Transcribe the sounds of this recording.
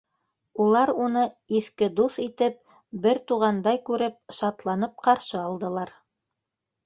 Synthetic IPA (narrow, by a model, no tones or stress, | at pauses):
ulˠɑɾunɤiθkɘd̪uθit̪ɘp̚ | bɘɾt̪uʁɑnd̪ɑjkʉɾɘp̚ʃɑt̪lˠɑnɤp̚qɑɾʃɤɑlˠd̪ɤ̆lˠɑɾ